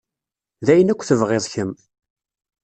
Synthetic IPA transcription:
ðæjənækʷːθəvʁeðˤçəm

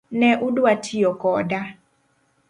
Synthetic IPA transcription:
nɛʔudwatʰiɔkɔda

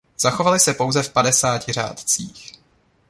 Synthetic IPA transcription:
z̥axo̞valɪsɛpo̞wzɛfpadɛsaːcɪr̝a̰ːt̪t͡siːx

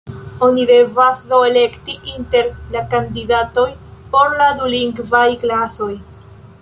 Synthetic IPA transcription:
o̞nide̞vasdoele̞ktiʔinte̞ɾlakandidato̞jpo̞ɾladuliŋɡvajklaso̞j

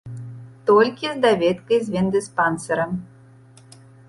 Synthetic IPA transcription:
t̪ɔlʲkʲizd̪avʲɛt̪kɐjzʲvʲɛnd̪ɨspansɐɾɐm

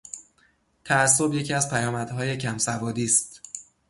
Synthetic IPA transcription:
t̪ʰææsːo̞bje̞cʰiæzpʰæjɒːmæd̪̥ɦɒːje̞cʰæmsævɒːd̪iːst̪

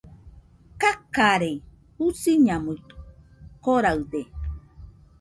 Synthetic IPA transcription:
kakaɾe | husiɲãmɨt̪ | koɾaɯd̪e

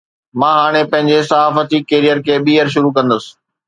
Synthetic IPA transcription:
mãːɦaːɽ̃epɐ̃ɦɪ̃ɲd͡ʑesɐɦaːfət̪ikeːɾijəɾkʰeːɓiːəɾʃʊɾukɐ̃nd̪əsɪ̥̆

